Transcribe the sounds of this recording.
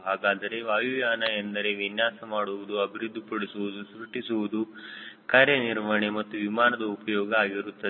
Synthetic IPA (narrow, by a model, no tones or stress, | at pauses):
ɦaːɡaːd̪ɐɾe̞ʋaːjujaːnɐjend̪ɐɾe̞ʋinjaːsɐmaːɽuʋud̪uɐbʱiɾud̪ʱːipɐɽisuʋud̪usɾuʈisuʋud̪ukaːɾjɐniɾʋɐɳemɐt̪ːuʋimaːnɐd̪ɐupɐjɔːɡɐaːɡiɾut̪ːɐd̪